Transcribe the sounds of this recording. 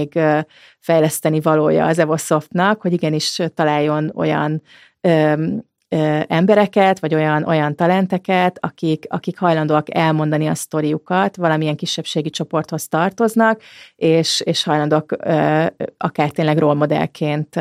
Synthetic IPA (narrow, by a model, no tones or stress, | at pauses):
ɡø | fɛjlɛst̪ɛnivɒloːjɒ̰ːzɛvo̞so̞ft̪nɒkhoɟiɡɛniʃt̪ɒlaːjːo̞no̞̰jɒ̰n | øː | øɛmbɛɾɛkɛt̪ʋɒɟo̞jɒnʔo̞jɒnt̪ɒlɛnt̪ɛkɛt̪ɒkikɒ̰kikhɒjlɒnd̪oɒkɛlmo̞nd̪ɒniɒst̪o̞ɾijukɒt̪ʋvɒlɒmiɛŋkiʃːɛpʃeːɡit͡ʃo̞po̞rt̪ho̞st̪ɒrt̪o̞znɒkeːʃeːʃhɒjlɒnd̪oɒkøːɒkaːrt̪eːnlɛɡroːlmo̞d̪ɛ̰lkʰeːnt̪